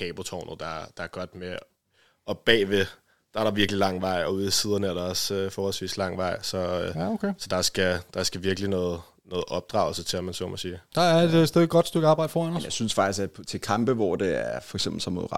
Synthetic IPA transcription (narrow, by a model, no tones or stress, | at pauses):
hʰɛːb̥ot͡sʰɒʊnð̩ˠd̥ɑ̈d̥ɑ̈æɐɡ̥ɒ̽d̥me | ɒ̽b̥ɛ̰ːʋe | d̥ɑ̈æɐɾ̥ɑ̈ʋiɐɡ̥lilɑ̈ŋ̰ʋɑ̈ɪ̰ɒ̽uðˠisiːð̞ˠɐnəæɐɾ̥ɑ̈ɒ̽søfɒːhɒlsʋḭːslɑ̈ŋ̰ʋɑ̈ɪ̰sɒ̽okʰesɒ̽d̥ɑ̈sɡ̥æd̥ɑ̈sɡ̥æʋiɐɡ̥linɔːð̩ˠ | nɔːð̩ˠʔɒ̽b̥̚d̥ʁɑ̰̈ʊl̩sət͡sʰe̝læmænsɒ̰ːmæsiːd̥ɑæɐed̥sd̥eðˠɡ̥ɒ̽d̥sd̥øɡ̥ɑ̈ːb̥ɑ̈ɪ̰d̥fɒːænɔmjasynsfɑ̈ɡ̥̚isæt͡sʰe̝lkʰɑ̈mb̥əʋɒd̥e̝æɐfɒɡ̥sem̰b̥l̩sɒ̽mːo̝ð̰ˠɑ